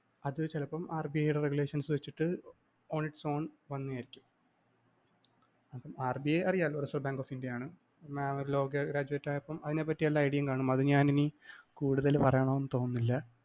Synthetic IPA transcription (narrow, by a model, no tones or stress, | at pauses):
ɐðɨt͡ɕelɐpːɐmaːrbijɐjuɽereɡule̞ːʂɐnsɨʋet͡ɕːiʈːɨ | o̞ːniʈːɨ̥so̞ːnʋɐnːijaːjiɾikʲːum | ɐpːɐmaːrbijɐjɐrijaːloɾɐsɐrbaːŋɡoːfindjɐjaːɳɨ | maoɾulo̞ːɡɐɡɾaːd͡ʑuetːaːjɐpːɐmɐðine̞pːɐtːijɐlːɐɐjɽɐijɐmkaːɳumɐðɨɲaːninikuːɽuðɐlpɐrɐjaːɳoːenːɨt̪o̞ːnːilːɐ